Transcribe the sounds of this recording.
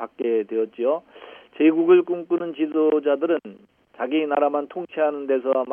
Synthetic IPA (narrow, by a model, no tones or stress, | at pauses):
pak̚k͈e̞twe̞jʌt̚t͡ɕ͈iot͡ɕeɡuɡɯɭk͈uŋk͈unɯnt͡ɕisʰod͡ʑadɯɾɯn | t͡ɕaɡinaɾamantʰoŋt͡ɕʰeɦanɯnde̞sʰʌm